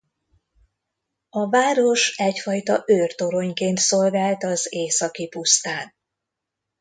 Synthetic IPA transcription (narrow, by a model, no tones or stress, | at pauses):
ɒvaːɾo̞ʃɛcfɒjt̪ɒʔøːrt̪o̞ɾo̞ɲkeːnt̪solɡaːlt̪ɒzeːsɒkipust̪aːn